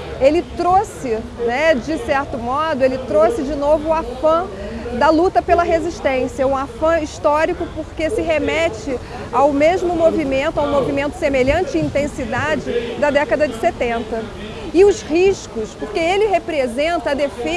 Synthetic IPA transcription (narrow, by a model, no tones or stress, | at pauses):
elɪt̪ɾosɪnɛd͡ʒɪsɛɾt̪ʊmɔd̪ʊelɪt̪ɾosɪd͡ʒɪnovʊːafɐ̃ | d̪ɐlut̪ɐpelɐɦeziʃt̪ẽsijɐũafɐ̃iʃt̪ɔɾikʊpoɾkesɪɦemɛt͡ʃɪ | awmeʒmʊmovimẽnt̪ʊaw̃movimẽnt̪ʊ̥semeʎɐ̃nt͡ʃɪĩnt̪ẽsid̪ad͡ʒɪd̪ɐd̪ɛkɐd̪ɐd͡ʒɪset̪ẽnt̪ɐ | ɪʊzhiʃkʊspʊɾkeelɪɦepɾezẽnt̪ɐd̪efe